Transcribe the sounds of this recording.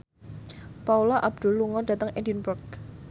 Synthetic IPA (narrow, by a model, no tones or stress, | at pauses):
paulaʔab̚d̪̥ʊ̤lːuŋɔndä̤t̪əŋʔɛndinbʊrk̚